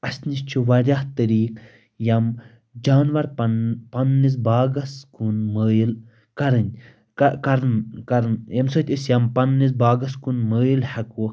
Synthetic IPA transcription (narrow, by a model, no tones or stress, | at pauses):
ɐsʲnist͡ʃʰuʋɐɾʲaht̪ɐɾiːk | jɐm | d͡ʒaːnʋɐɾppɐnːis̬baːɡɐskunməːil | kɐɾɨnʲ | kɐɾnkɐɾnjɐmsot̪ʲisjɐmpɐnːis̬baːɡɐskunməːjilhɐku